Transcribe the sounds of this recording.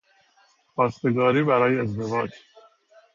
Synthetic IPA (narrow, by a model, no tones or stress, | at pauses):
xɒːst̪e̞ɡɒːɾiːbæɾɒːjeːzd̪e̞vɒːd͡ʒ